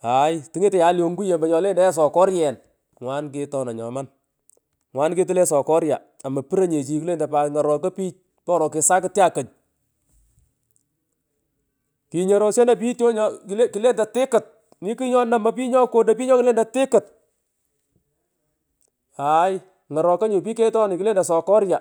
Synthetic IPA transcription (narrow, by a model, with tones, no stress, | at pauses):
a˨˦jtɪ˦ŋe˦tɛ˨ja˨˦ljo˨ŋɡu˦je˨mba˨ɲɔ˨le˦ndɛ˦s̬ɔ˨kɔ˦ɾjɛ˨n | ŋwaː˦nkɪ˦tɔ˦na˨ɲɔ̰˨ma˦n | ŋwaː˦nke˦tɪ˦lɛ˦sɔ˨kɔ˦ɾja̰˨ | a˨ma˨pi˦ɾa˦ɲe˨t͡ʃi˨ki˦le˦nda˨pa˨ŋa˨ɾɔ˨kɐ˦pi˦t͡ʃ̚ | pɔ˦ɾɔ˨kɪ˨sa˦kɪ˦tja˦kɐ˨ɲ | ki˨ɲɔ˨ɾɔ˨sɛ˦na˨p̬i˦to˦ɲɔ˦kle˦kɪ˨le˦nda˨tɪ˦kɪ˨t̚ | ni˦ki˦ɲɔ˦na˨ma˨p̬i˦ɲɔ˦ko˦da˨pi˦ɲɔ˦kɪ˦le˦nda˨tɪ˦kɪ˨t | a˨j | ŋa˨ɾɔ˨ka˦ɲʊ˨pi˦ke˦tɔ˦ni˨ki˦leː˦nda˨sɔ˨kɔ˦ɾja˨